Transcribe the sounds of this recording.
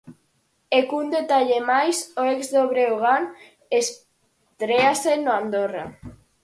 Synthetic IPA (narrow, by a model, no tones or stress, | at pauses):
ekund̪et̪aʎemajsoekzðoβɾeoɣan | es | t̪ɾeasenoand̪ora̰